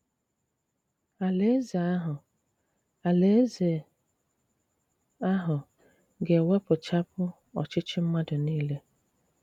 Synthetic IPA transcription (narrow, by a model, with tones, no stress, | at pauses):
a˨le˦ze˨a˦ɦʊ˨ | a˨le˦ze˨ | a˦ɦʊ˨ | ɡe˨we˦pʊ˨t͡ʃa˦pʊ˦ | ɔ̰˨t͡ʃɪ˦t͡ʃɪ˦m̩˦ma˦dʊ˨niː˦le˦